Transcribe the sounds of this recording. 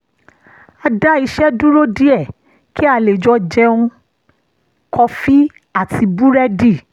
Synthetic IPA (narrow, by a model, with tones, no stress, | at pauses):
a˧da˦i˧ʃɛ˦du˦ɾo˦di˦ɛ˦˨ | ki˦a˧˨le˨d͡ʒɔ˧d͡ʒɛ˧ũ˧ | kʰɔ˧fi˦ | a˦˨tʰi˧bu˦ɾɛ˦di˦˨